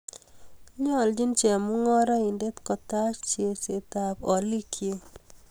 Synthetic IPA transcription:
ɲɔ˦˨ld͡ʒi˦nt͡ʃe˨mʊ˦ŋɔ˦ɾa˦i˨nde˦t̪kɔ˨ta˦t͡ʃt͡ʃe˨se˨t̪a˨pɔ˨li˦kʰje˦

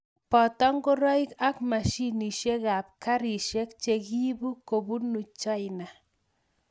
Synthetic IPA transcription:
pɔ˨tɔ˦ŋɡo˦ɾɔ˦i˦ka˦kma˨ʃi˦ni˨ʃe˦ɡa˨p̚ka˦ɾi˨ʃe˦kt͡ʃe˨ɡi˦bu˦ko˨bu˦nu˨t͡ʃɔ˦jna˨

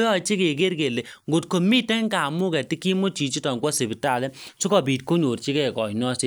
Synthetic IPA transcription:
jɔ˦˨t͡ʃe˦ke˨ke˦rke˨le˨ŋɡo˨t̚ko˨mi˦tɛ˦ŋka˨mu˦kɛ˨ti˦ki˦mo˦t͡ʃi˨t͡ʃi˦tɔ˨ŋkwɔ˦se˨bi˨ta˨lɛ˦so˦kɔ˨bi˨t̚ko˦ɲo˨ɾt͡ʃi˦kɛ˨kɔ˨jnɔ˦si˦

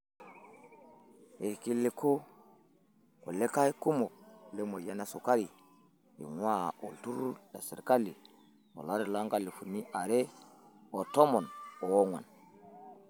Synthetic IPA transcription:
je˨ɾki˦lːe˨ko˦ | ko̰˨le˦ka˦i˦ku˦mo˨le˦mo˨ja˦na˨su˨ka˦ɾi˨ | jḭ˨ŋwa˦˨ʔo˨ltu˦ɾda˨sḭ˨ɾka˦li˨ | mo̰˨la˦ɾi˨la˦ŋɡa˦li˨fu˨nːi˦ʔa˨ɾe˦ | o˨to˦mo˨no˨wo˦ŋwa̰˨n

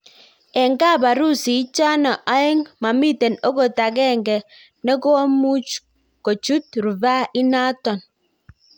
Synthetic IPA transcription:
e˨ŋ˨ka˦˨ba˨ɾu˦si˨˦t͡ʃa˦nɔ˨ʔa˦je˦ŋma˨mi˦˨te˨no˦ko˨ta˨k̬e˦˨ŋ˨ɡe˨ | ne˦ko˦a˦mu˦ | ko˨t͡ʃu˦t̚ɾu˨ba˦i˦na˦tɔ˨n

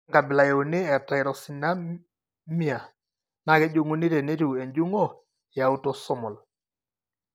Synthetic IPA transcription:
ŋɡa˨bɪ˨la˨je˨u˨nɪ˦ɛ˨ta˨jɾɔ˨si˨na˦ | mi˦a˨ | na˨kɛ˦d͡ʒo˦ŋu˦ni˦ɾe˨ne˦tu˨e˨ɲd͡ʒu˦ŋɔ˦ | ja˨u˦tɔ˦sɔ˦mɔ˨l

